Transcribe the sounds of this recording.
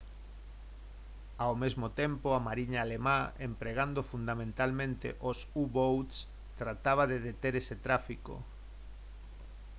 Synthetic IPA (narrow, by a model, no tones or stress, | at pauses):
awmezmot̪empoamaɾiɲaːlemaempɾeɣand̪ofund̪amẽnt̪almẽnt̪ḛʔosuβowt̪s | t̪ɾat̪aβ̞aðeðet̪eɾeset̪ɾafiko̰